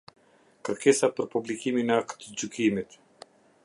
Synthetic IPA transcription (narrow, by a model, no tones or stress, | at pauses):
kəɾkɛsapəɾpublikiminɛakt̪d͡ʑukʰimit̪